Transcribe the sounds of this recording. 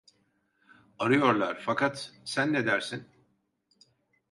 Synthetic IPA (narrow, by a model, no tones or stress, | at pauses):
aɾɯjo̞ɾlˠaɾfakʰat̪sænːed̪æɾsin